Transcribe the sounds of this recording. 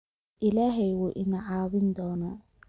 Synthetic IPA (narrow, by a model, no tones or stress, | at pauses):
ʔɪlaːɦɛjwuːʔɪnɐʕaːβɪnd̪ɔːnaː